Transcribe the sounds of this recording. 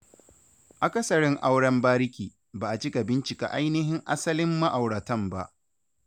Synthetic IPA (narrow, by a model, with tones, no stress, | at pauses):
ʔa˨kɐ˦sɐ˨ɽɪ˦ŋʔa˦wɽɐ˦mbaː˦ɾɪ˦kʲiː˨ | baː˨ʔa˨t͡ʃɪ˦ka˨bɪ˦nt͡ʃɪ˨ka̰˨ʔa˦jnɪ˦ɦɪ˦ŋʔa̰˦sɐ˦lɪ˦mːa˦ʔa˨wɽɐ˨tɐ˦˨mba˦ʔ